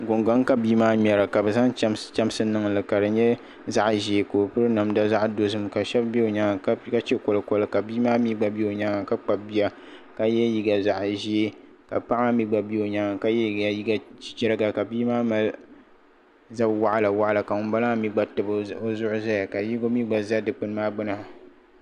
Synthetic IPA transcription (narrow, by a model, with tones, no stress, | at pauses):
ɡo˨ŋɡa˦ŋ˦ka˨biː˦maː˦mɛ˨ɾa˨ka˨bɨ˨za˦ŋ˦t͡ʃa˦m˦sɨ˦nɨ˦ŋ˨lɨ˨ka˨dɨ˨ɲɛ˦ | za˦ʔʒi˨˦e˨ko˨pɨ˦ɾɨ˦na˨mda˦za˦ʔdo˨zɨ˨m˨ka˨ʃɛ˦bbi˦o˨ɲa˦ŋa˨˦ka˦t͡ʃe˦ko˨lɨ˨ko˦lɨ˦ka˨biː˦maː˦mi˦ɡ͡ba˦bi˦o˨ɲa˦ŋa˨ka˦k͡pa˨bi˦a˦ | ka˦jɛ˦ji˦ɡa˨za˨ʔʒi˦e˦ka̰˨pa˦ʔa˦mi˦ɡ͡ba˨bi˦o˨ɲa˨˦ŋa˨ka˦jɛ˦˨ɡa˦ji˦ɡa˦d͡ʒɛ˦ɾɨ˦ɡa˨ka˨biː˦maː˦ma˨l | za˦bwa˦ʔa˦la˨wa˦ʔa˨la˨ka˨ŋʊ˦n˦ba˦la˦mi˦ɡ͡ba˨˦tɨ˨bo˦zʊ˦ʔʊ˦za˦ja˨ka˨ji˦ɡo˦mi˦ɡ͡ba˨za˦dɨ˨k͡pɨ˦n˦maː˦ɡ͡bʊ˦na˨